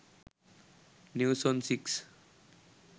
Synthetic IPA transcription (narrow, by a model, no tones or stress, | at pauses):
njuwsɔnsiks